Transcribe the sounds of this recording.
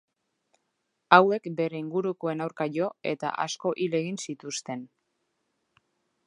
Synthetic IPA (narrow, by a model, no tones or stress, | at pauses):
awe̞kbe̞ɾe̞iŋɡuɾukoe̞nawɾkaʎo̞e̞̰t̪a̰ʔa̰sko̞ʔile̞ɣinsit̪ust̪e̞n